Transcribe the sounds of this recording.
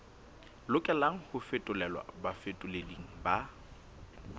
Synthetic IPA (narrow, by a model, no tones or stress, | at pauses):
lʊkʼɛlaŋ̩hʊfɪtʼʊlɛlwa̰bafɪtʼʊleliŋ̩ba